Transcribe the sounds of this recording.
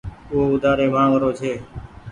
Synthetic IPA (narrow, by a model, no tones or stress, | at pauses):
ʊɦoːʊd̪aːɾeːmãːŋɾoːt͡ʃʰeː